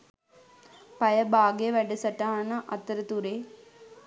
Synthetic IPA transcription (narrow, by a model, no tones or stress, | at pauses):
pɐjɐbaːɡejeʋæɖɐsɐʈaːnɐʔɐt̪ːɐɾət̪uɾe